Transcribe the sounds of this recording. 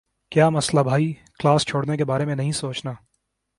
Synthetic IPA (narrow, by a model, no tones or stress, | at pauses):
kjaːmɐslabʱaːiːklaːst͡ʃʰoːɽnekebaːɾemẽnɐɦĩsoːt͡ʃnaː